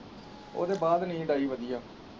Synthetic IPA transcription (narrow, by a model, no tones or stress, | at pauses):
o̰ːd̪eːbaːd̪nĩːɖaːiːʋəd̪ijaː